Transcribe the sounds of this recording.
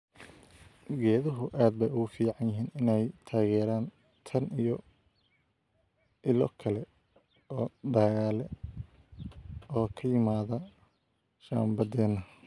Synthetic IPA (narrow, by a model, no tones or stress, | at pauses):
ɡɛːðɐɦʊʔaːd̪bɛjʊɣʊfiːʕɑnjɪɦiːnɪnɛjt̪ʰaːɣɛːɾaːn | t̪ʰɐnijɔ | ʔɪlɔkʰɐlɛ | ɔːd̪aːɣaːlɛ | ɔːkʰɐjɪmaːðɐ | ʃa̰ːmbɐd̪ɛːnːɐ